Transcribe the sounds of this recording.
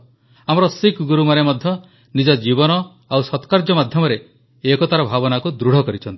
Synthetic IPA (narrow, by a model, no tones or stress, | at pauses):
amɔɾɔsikɡuɾumaɾemɔd̪ʱjɔ | nid͡ʒɔd͡ʒibɔnɔ | awsɔt̪kaɾd͡ʒɔmad̪ʱjɔmɔɾe | ekɔt̪aɾɔbʱabɔnakud̪ɾuɽ̤ɔkɔɾit͡ʃʰɔnt̪i̥